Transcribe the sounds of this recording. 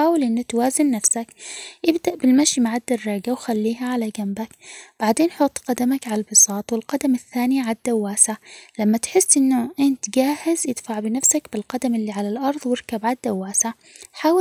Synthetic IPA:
aːwɪlʔɪnːat̪waːzɪnːafsakʔɪbd̪aʔbɪlmaʃmaʕad̪ːɑrˤːɑːɡawxalːiːɦaʕalaɡambakb̥aʕd̪eːnħʊt̪ˤːqɑd̪amakʕalalbɨsˤɑːt̪ˤwɪlqɑd̪amɪθːaːniʕad̪ːawːaːsaʕlamːat̪ħɪsːʔɪnːʊʔɪnt̪ɡaːhɪzʔɪd̪̥faʕbɪnafsakbɪlqɑd̪amɪlːiʕalalʔɑɾˤðˤwɪɾkabʕad̪ːawːaːsaʕ | ħaːwɪ

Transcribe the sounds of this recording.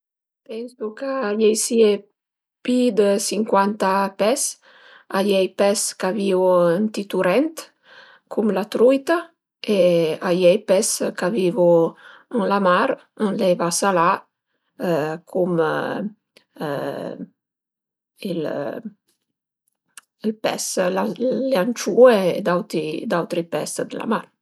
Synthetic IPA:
pɛnsukajɛjsie | pid̪əsiŋkwant̪apɛs | ajɛjpɛskaviənt̪it̪uɾɛnt̪ | kʰumlat̪ɾujt̪a | eajɛjpɛskavivuənlamaɾ | ənlɛjvasala | kʰum | il | ilpɛ̰slaleant͡ʃueḛd̪awt̪id̪awt̪ɾipɛsd̪əla̰maɾ

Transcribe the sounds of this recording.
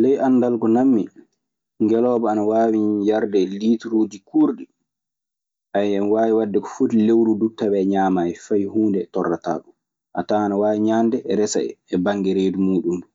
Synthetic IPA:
lɛjʔanːdalɡɔnamːi | ŋɡɛlɔːbaanawaːwijaɾdɛliːtɾuːd͡ʒikuɾɗi | ʔajɛmwaːwiwadːɛkɔ̥futilewɾudutːabɛɲaːmajɛfajhuːndɛtɔrːata̰ːɗum | ʔa̰taːanawaːwiɲandɛʔɛɾɛsa̰ɛ̰ːbaŋɡɛɾeːdumuːɗundu

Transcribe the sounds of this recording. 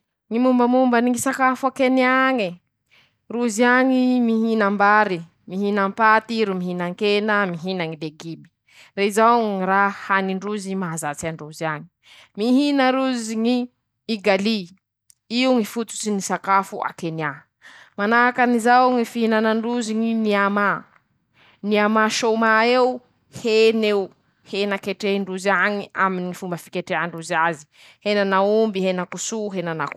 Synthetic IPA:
ŋimumbəmumbaniŋisakafuakenaŋi | ruziaŋimiɦinambaɾi | miɦinampat̪iɾumiɦinaŋkenamiɦinaŋileɡibi̥ | reizawŋŋiɾahaniɳɖ͡ʐuzimaazat͡saɳɖ͡ʐuziaŋi | miɦinəɾuziŋiː | ɡali | iuŋifut͡su̥sinisakafuʔa̰kenia | manakanizauŋifihinanaɳɖ͡ʐuziŋiniama | niamaʃomaeu | heneu | henakeʈ͡ʂeiɳɖ͡ʐuziaŋia̰minifumbafi̥keʈ͡ʂeaɳɖ͡ʐuziazi̥ | henanaumbiɦenakusuɦenanak

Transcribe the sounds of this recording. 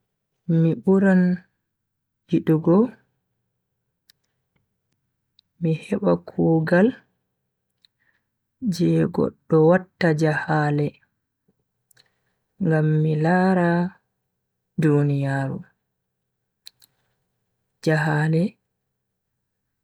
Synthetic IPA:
miɓuɾan | hiɗuɡɔ | mihɛɓakʰuːɡal | d͡ʒɛɡɔ̰ɗːɔwatːad͡ʒahaːlɛ | ŋɡamːilaːɾa | dunijaːɾu | d͡ʒaɦalɛ

